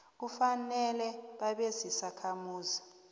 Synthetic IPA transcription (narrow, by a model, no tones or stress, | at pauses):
k̬ufanɛlɛɓaɓezisakʰamuːzi